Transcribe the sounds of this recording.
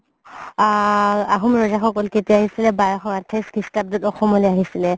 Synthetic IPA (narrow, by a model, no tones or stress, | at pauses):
aaɦumɹɔzaxɔkɔlketiaaɦisilɛbajɔxɔŋatʰeskistab̚dɔtɔxɔmɔleaɦisilɛ